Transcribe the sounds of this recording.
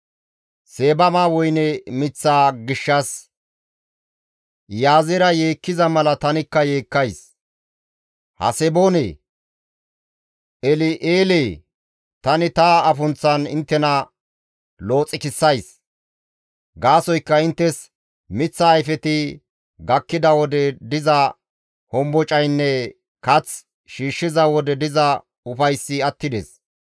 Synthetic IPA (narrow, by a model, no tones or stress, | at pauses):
se̞ːbɐmaːwɔjnɛmɪt͡sːaːɡɪʃːɐs | jaːzɛɾɐjeːkːɪzɐmɐlɐt̪ɐnɪkːɐje̞ːkːɐjs | hɐ̰sɛbo̞ːnḛː | ʔɛlɪʔeːleː | t̪ɐnɪt̪aɐfʊnt͡sːɐnɪnt̪ːɛnɐ | lo̞ːt͡sʼːɪkɪsːɐjs | ɡaːsɔjkːɐɪnt̪ːɛs | mɪt͡sːɐːjfɛt̪ɪ | ɡɐkːɪd̪ɐwɔd̪ɛd̪ɪzɐ | hɔmbɔt͡ʃʼɐjnːɛ | kɐt͡s | ʃiːʃːɪzɐwɔd̪ɛd̪ɪzɐ | ʊfɐjsːɪɐt̪ːɪd̪ɛs